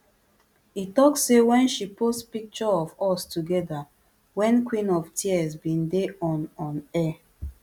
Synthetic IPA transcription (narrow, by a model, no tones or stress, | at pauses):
itɔksːewɛ̃nʃipostpik̚t͡ʃɔɔvɔstuɡɛda | wɛ̃nkwĩnɔvtʰiɛsbĩndeɔ̃nɔ̃nɛ